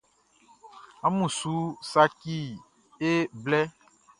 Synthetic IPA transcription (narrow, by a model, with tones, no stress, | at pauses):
a˦mũ˨su˨˦sa˦ki˦ | e˦blɛ˦